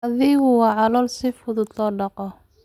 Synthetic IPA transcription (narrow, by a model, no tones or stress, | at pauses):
ɐðɪɣʊwɑːʕɑlɔːlsɪfʊðʊd̪lɔːɖɑqɔ